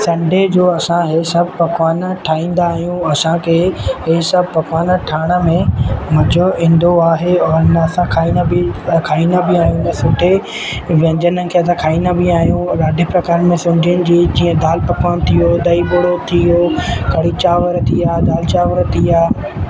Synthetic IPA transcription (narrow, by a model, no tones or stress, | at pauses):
sɐ̃ɳɖʱed͡ʑoːɐsãɦesɐbʱpɐkʋaːnʈʰaːĩːn̆d̪aːɦijũɐsãkʰeːɦeːsɐbʱpɐkwaːnʈʰaːɽ̃ə̆mẽmɐd͡ʑʱoĩːn̆d̪oaːɦeɔːɾnɐsãkʰaːĩːnəbikʰaːĩːnabɪaːɦijũnɐsʊʈʰe | ʋɐ̃ɲd͡ʑənəkʰeːɐs̬ãkʰaːĩːnəbɪaːɦjũɾaːɖʱipɾɐkaːɾmẽsʊɲd͡ʒʱiʊnɪ̆d͡ʑiːd͡ʑĩːə̃d̪aːlpɐkwaːnt̪ʰijod̪ɐiboːɽot̪ʰijokɐɽit͡ɕaːʋəɾt̪ʰiaːd̪aːlt͡ɕaːʋəɾt̪ʰiaː